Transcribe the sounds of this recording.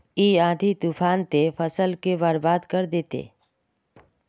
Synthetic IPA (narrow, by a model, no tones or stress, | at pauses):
iːãːd̪ʱit̪uːpʰaːnt̪efʰɐsəlkebaɾbaːd̪kɐɾd̪eːt̪ḛː